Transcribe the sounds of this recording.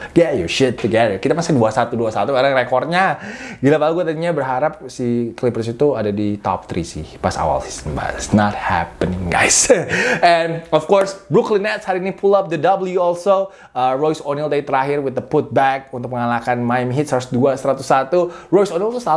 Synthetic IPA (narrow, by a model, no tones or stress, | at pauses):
jɛjuʃʊd̚fəɡɛɾəkit̪amasɪduasat̪uduasat̪uɡaɾaŋrekɔr̚ɲaɡilapaluɡuat̪adiɲabərɦaɾap̚siklipɾəs̬it̪uadadit̪ɔ̰p̚t̪ɾḭsɪ̰hpasa̰wa̰lsi̥sənba̰tɪsnɔt̪̚hæ̰pənɪŋɡa̰jsɛnɔfkɔrsbɾuklinɛt̪̚shaɾinipʰulap̚d̪ədabəljuɔlso | ərojsonilt̪adit̪əɾaɦɪrwɪt̪̚d̪əput̪̚bɛk̚unt̪ʊk̚məŋalakanmajmɦɪt̪saɾsduasəɾat̪usat̪urojsonilt̪usa